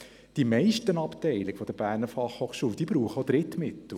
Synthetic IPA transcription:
d̥imɛɪʃtənɑptɛɪlɪkfɔd̥əb̥æːɾnəfɑχhoχʃuːld̥̪iːbɾuːχəod̥̪ɾɪt̪mɪt̪l̩ˠ

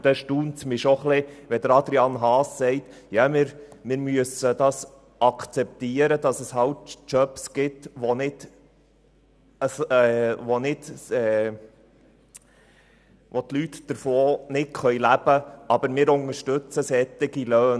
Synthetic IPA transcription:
d̥ɛʃtuːntsmɪʃoχlɪʋɛd̪əɾɑd̪ɾiɑnɦɑːsːɛɪtjɑmɪɾmɪːɾmyəsəd̥̪ɑs | ʔɑkʰt͡sɛp̚t̪iːəɾəd̥̪ɑsəshɑwtt͡ʃœpsɡ̥ɪtʋonɪt | əsɛʋonɪtɛ | ʋot̪lyt̪d̥əɾfoːnɪtχœʏjlæb̥əɑb̥əɾmɪːɾʊŋəɾʃtɵt͡səsɛt̪ɪɡiløːn

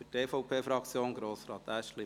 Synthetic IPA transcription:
yteːfɔʊpʰeːfɾɑkt͡sjoːnɡɾoːsɾɑːt̪æʃtli

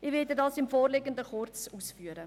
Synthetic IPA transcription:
ɪʋɪdədɑːsɪmfoːrleɡəndəχʊrt͡suːsfyːəɾə

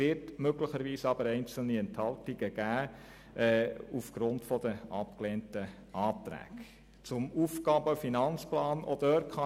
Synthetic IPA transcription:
ɪtmøɡlɪχəɾʋiːsɑb̥əɾɛɪnt͡sl̩niɛnthɑltɪɡ̥əɡ̥æː | ʔɛːufɡ̥ɾʊntfɔd̥əʔɑp̚kleːntə | ɑːt̪ɾæ̰ːk | t͡sʊmuːfɡɑːbəfinɑnt͡splɑːnɔ̰d̥øɾʰχɑ

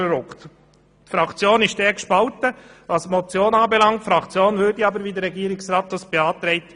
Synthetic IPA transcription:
əɾʊkt̪ | tfɾɑkt͡sjoːnɪʃdɛːkʃpɑlt̪əʋɑsmɔt͡sjoːnɑːbɛlɑŋtfɾɑkt͡sjoːnvʏɾdiɑbəɾʋid̪əɾɛɡiːəɾɪksɾɑːt̪̚dɑsb̥eɑːt̪ɾɛɪt̪

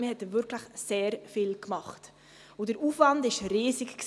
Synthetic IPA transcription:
mihɛtːəʋʏɾkʰləχseːɾfiːlkmɑχt | ʊd̥əɾuːfvɑndɪʃɾiːsɪkks

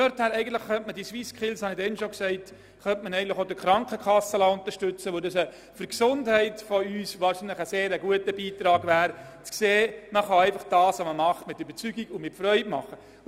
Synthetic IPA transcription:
ɛɾthæːɾɛɪɡəntləχːœntmədisʋiskχɪlshɑnidɛnʃoksɛɪt | χœntmənɛɪɡən̩tləɪχodəkχɾɑŋkχəkʰɑsːəlɑʊnt̪əɾʃtʏt͡səʋodɑsə | fəɾksʊndhɛɪtfɔyːsʋɑːɾʃinləχəseːɾəɡuətəbiːtɾɑːɡʋæːɾ | t͡skseːməχɑɛɪfɑχd̥ɑːsoməmɑχtmɪtybəɾt͡syɡiɡʊmɪtfɾœʏtmɑ̰χə

